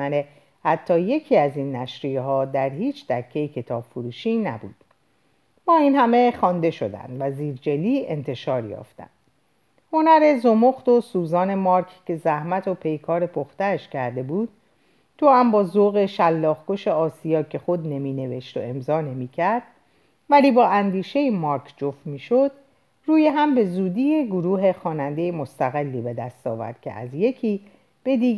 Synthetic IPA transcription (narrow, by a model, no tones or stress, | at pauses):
æne | hæt̪ʰːɒːje̞cʰiːæzinːæʃɾijeɦɒːd̪æɾhiːt͡ʃʰd̪æcʰːe̞jecʰe̞t̪ʰɒːb̥foɾuːʃiːnæ̰bṵːd̪̥ | mɒːiːnhæme̞χɒːnd̪e̞ʃod̪æ̰nd̪væziːɾd͡ʒe̞liːḛnt̪ʰe̞ʃɒːɾjɒ̰ːft̪æ̰nd̪ | ho̞næɾe̞zo̞moxt̪o̞suːzɒːne̞mɒːɾkʰce̞zæhmæt̪ʰo̞pʰe̞jkʰɒːɾe̞pʰoxt̪æʃcʰæɾd̪e̞buːd̪̥̚ | t̪ʰohæmbɒːzoɣe̞ʃælːɒːxɡoʃe̞ɒːsijɒːcʰe̞xod̪ne̞miːne̞ve̞ʃt̪o̰e̞mzɒːne̞miːcʰæɾd̪̥̚ | væliːbɒːʔænd̪iːʃe̞jimɒːɾkʰd͡ʒoft̪miːʃod̪̥ | ruːjeɦæmbe̞zuːd̪iːjeɡoɾuːɦe̞xɒːnænd̪e̞jemo̞st̪æɣelːiːbe̞d̪æ̰st̪ɒ̰ːvæ̰ɾd̪̥cʰe̞̰ʔæ̰zje̞cʰiː | b̥e̞d̪iː